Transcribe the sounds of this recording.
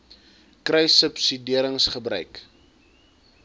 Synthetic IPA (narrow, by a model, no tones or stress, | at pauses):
krɛjsəpsidiəɾəŋsχəbɾœɥk